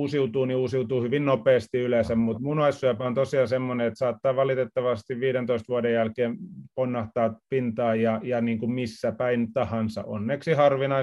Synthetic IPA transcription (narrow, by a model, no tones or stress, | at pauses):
usiut̪uːniusiut̪uːhyʋinnopeːst̪iylesæmmut̪munɑissyæpæont̪osiɑsemːoneet̪sɑːt̪ːɑːʋɑlit̪et̪ːɑʋɑst̪iʋʋiːɾent̪oist̪ʋuɑdejjælkeːmponːɑht̪ɑːpint̪ɑːjjɑjɑniːŋkummisːæpæint̪ɑhɑnsɑ̰ʔo̰nːneksihɑrʋinɑi